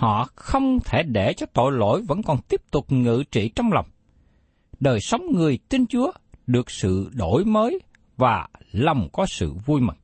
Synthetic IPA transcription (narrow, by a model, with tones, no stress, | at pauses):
hɔ̰˧˨xə˧wŋ͡mt̪ʰe˧˩ɗe˧˩t͡ɕɔ˧t̪o̰˧˨jlo̰˧˨jvə̰˧˥nkɔ˨˩nt̪i˦˥əp̚t̪ʊ˨˩k͡p̚ŋɨ̰˧˨t͡ɕḭ˧˨t͡ɕɔ˧wŋ͡mla˨˩wŋ͡m | ɗəː˨˩jsə˨˦wŋ͡mŋɨ˨˩əjt̪i˧nt͡ɕu˨˦əɗɨ˨˩ək̚sɨ̰˧˨ɗo˧˩˨jməː˨˦j | vaː˨˩lə˨˩wŋ͡mkɔ˨˦sɨ̰˧˨vu˧jmḭ̈˨˩ŋ